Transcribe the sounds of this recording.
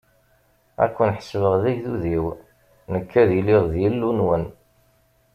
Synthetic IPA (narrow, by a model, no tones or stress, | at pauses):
æ̰kʷːənħə̥svəʁðæʝðuðiw | nəkːæðiliʁðjəlːunwən